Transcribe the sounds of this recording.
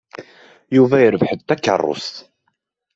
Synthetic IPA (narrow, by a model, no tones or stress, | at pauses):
juvæjəɾəvħəðt̪ækːə̰rˤːʊ̰st̪